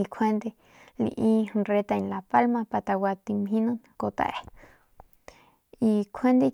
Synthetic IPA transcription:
i˧kʰe˦nd̪e˧ | lḭ˧ʔĩ˦˧re˧t̪a˧ĩ˧nla˨pa˦lmã˧pa˧t̪a˧wʷa˧t̪i˧mɦĩ˦nõ˦n | ko˧t̪a̰˧˨e˧ | i˧kʷʰe˦nd̪e˦

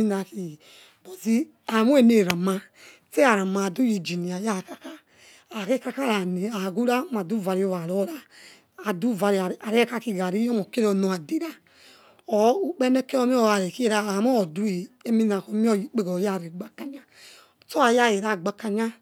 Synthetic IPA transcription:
i˦na˨ki˨ | bo˨zi˦ | a˨mu˦e˦˨ne˦˨ɾa˨ma˧ | te˦a˨ɾa˨ma˨du˦ji˨d͡ʒi˨ni˨a˨ja˦˨ka˨ka˦ | a˨ke˦ka˦ka˦ɾa˨ni˨a˨ɡu˦ɾa˦ma˨du˦˨va˨ɾi˦o˦˨βa˨ɾo˦ɾaː˦˨ | du˦˨va˧ɾi˨a˨ɾi˦ɛ˦ka˦ki˦˧ɡa˨ɾi˦ɔ˦mo˨ke˦ɾo˨no˨a˨di˦ɾa˦ | o˨u˦k͡pɛ˦ne˦ke˦o˦mi˦o˦˨a˨ɾe˨ki˦ɾa˦a˨m˦o˦˨du˦i˨e˦mi˦na˨ko˨˦mi˦o˦ji˨k͡pe˦ɡɔ˨ja˦˨ɾe˨ɡ͡ba˦ka˦ɲa˦˨ | to˦a˨ja˦˨je˨ɾa˦˨ɡ͡ba˨ka˦ɲa˦

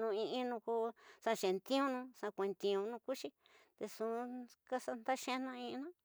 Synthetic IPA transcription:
nũ˧ĩ˧ĩ˦nũ˧ko˧sã˧ʃẽ˨nt̪ĩ˦ũ˦˧nũ˧sã˧kʷẽ˨˧nt̪ĩ˧ũ˧nũ˧ku˦t͡ʃi˧ | t̪e˧sũ˧ka˦sa˧nd̪a˦ʃẽ˦˧nã˧ĩ˧nã˦

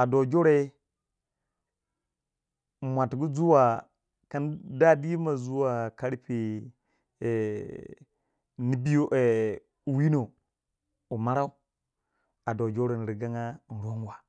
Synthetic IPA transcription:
a˨do˨d͡ʒo˦ɾe˦˨ | mʷa˨tɡu˦zu˦wa˨ | ka˦nda˦di˦ma˨zu˦wa˨ka˦ɾi˦pi˨ | ni˦bi˦jo˦ʔe˨ | u˨wi˦no˨ | u˨ma˦ɾa˦u˦ | a˨do˨d͡ʒo˦ɾe˨n˨ɾi˨ɡa˦ŋa˦n̩˨ɾo˦nwa˨

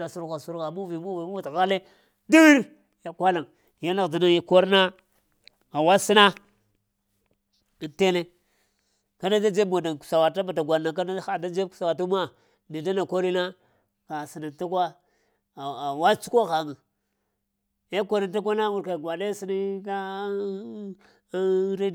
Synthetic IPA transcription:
a˨su˦ɾɣa˨su˦ɾɣa˨mu˦vi˨mu˦vi˨mu˦a˨ta˨ɣa˦le˦ | di˦i˦ɾ | ja˨kʷa˦la˨ | ja˦la˦ɣdi˨na˦ja˨ko˦ɾna˦ | a˨wa˦si˦na˦˨ | nte˦le˦ | ka˦da˦da˦d͡ʒe˦bmo˨da˨ku̥˨sa˨wa˨ta˦ba˨ta˨ɡʷa˨na˨k̬a˦da˦xa˨da˦d͡ʒe˦ku̥˨sa˨wa˨tu˦ma˦ | ni˨da˦na˨ko˦li˦na˦ | ka˨si˨na˨ta˦kwa˦˨ | wa˦t͡ʃu˦ko˦xa˨ŋa˨ | ja˦ko˦ɾa˦nta˦kʷa˦na˦wu˨ɾka˨ɡʷa˨le˦si˦na˦ka˦ | ɾe˦

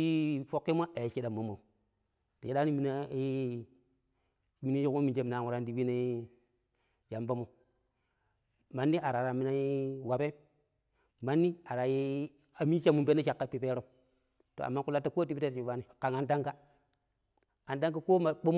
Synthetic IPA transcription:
fo˦kːi˦mʷa˦a˨ji˨t͡ʃi˦ɗa˨mo˨mo˨ | ta˨t͡ʃi˦ɗa˦ni˦mi˨na˦ | mi˦ni˦i˦kmo˦mi˨nd͡ʒe˦m˨na˨wu˨ɾa˦ndi˦bi˦ne˦ | ja˨mba˦mo˨ | ma˨nːi˦ʔa˨ɾa˨ɾa˨mi˦na˦ji˦wa˨pe˦ | ma˦nːi˦a˨ɾa˨ji˦ | a˨mi˦t͡ʃa˦mːu˨mbe˦na˦t͡ʃa˨kːa˦pi˨pe˦ɾo˦ | to̰˨a̰˨mːa˦ku˦la˦tːa˦ko˦ti˦bi˦e˦tt͡ʃi˨ba˦ni˨ka˨ŋa˦nda˦ŋka˦ | a˨nda˦ŋka˦ko˦ma˨k͡po˦m˦

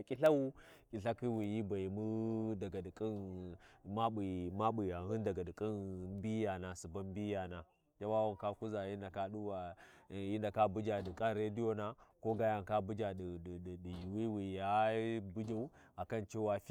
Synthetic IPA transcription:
kʲʼi˦ɬa˦wu˦kʼi˨ɬa˦ki˦wi˨ji˦ba˨ji˨mu˦da˨ɡa˨di˨kʼi˦n | ma˦ɓi˨ma˦ɓu˨ja˨u˦nda˨ɡa˨di˨kʼi˦n˨˦bi˦ja˨na˨su˨ba˦mbi˦ja˨na˨ | d͡ʒa˦wa˦wa˨ŋka˦ku˦za˨ji˦nda˨ka˦ɗu˦wa˨ji˦nda˨ka˦bu˦d͡ʒa˨di˨kʼa˦nɾe˦di˦jo˦na˦ko˦ɡa˦ja˨ŋka˦bu˦d͡ʒa˨ɗɗdi˨ji˨wi˦wi˨ja˦bu˦d͡ʒa˦u˦ | a˨ka˦nt͡ʃe˦wa˦fi˦

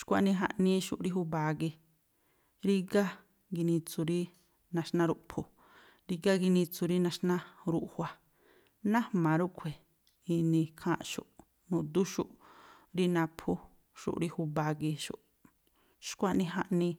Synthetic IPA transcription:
ʃkʷa˧ʔnĩ˧ɦa˧ʔnĩ˦ʃṵ˧ʔɾi˦ɦu˧ba˧ɡi˧ | ɾi˦ɡa˦ | ɡi˧nĩ˧t͡su˧ɾi˦ | nã˧ʃnã˦ɾu˧ʔpʰu˧˨ | ɾi˧ɡa˦ɡi˧nĩ˧t͡su˧ɾi˦nã˧ʃnã˦ɾu˧˨ʔhʷwʷa˧ | nã˦hmã˨˧ɾu˦ʔkʷʰe˨ | i˧nĩ˧kʰã̰ː˦ʔʃṵ˧˨ʔ | nũ˨d̪u˦ʃṵ˦ʔɾi˦nã˧pʰu˦ | ʃṵ˨ʔɾi˦hu˧ba˧ɡi˧ʃṵ˧ʔ | ʃkʷa˦ʔnĩ˧ɦa˧ʔnĩ˧

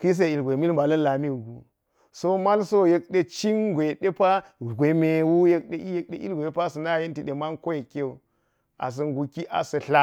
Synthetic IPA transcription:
ki˦s̬e˦˨i˨lɡʷe˨mi˦lmba˨lɐ˦n˦la˨mi˦wu˨ɡu˨ | so˦ma˦lso˦je˦k̚ɗe˦t͡ʃi˦nɡʷe˨ɗe˦pa˦˨ | ɡʷe˨me˨wu˦je˦k̚ɗe˨˦ʔi˦je˦k̚ɗe˨ʔḭ˦lɡʷe˨˦pa˦sɐ˨na˦˨je˦nti˨ɗe˨ma˦nko˦je˨ke˦u˨ | a̰˨s̬ɐ˨ŋɡu˨ki˦ʔa̰˨sɐ˨ɬa˦

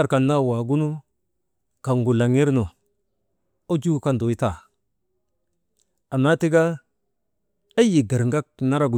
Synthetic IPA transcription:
a˦˨ɾka˨nːa˦˨wa˨ɡu˦nu˦ | ka˨ŋɡu˨la˨ŋi˦ɾno˨ | o˦d͡ʒu˦˨ka˦ndo˨i˦ta˨ | a˨na˦ti˦ɡa˦ | a˦ji˨ɡa˨ɾŋɡa˦k̚na˦ɾa˦ɡu˨

